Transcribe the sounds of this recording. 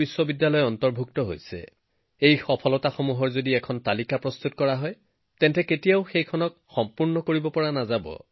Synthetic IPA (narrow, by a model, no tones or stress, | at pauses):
iswɔbidːalɔjɔntɔɹbʱuk̚tɔɦo̰jsɛ̰ | ejxɔpʰɔlɔtaxomuɦɔɹzodiɛkʰɔntalikapɹɔst̪ut̚kɔɹaɦɔj | tɛntɛketijaʊxejkʰɔnɔk | xɔmpuɹnɔkoɹibɔpɔɹanazabɔ̰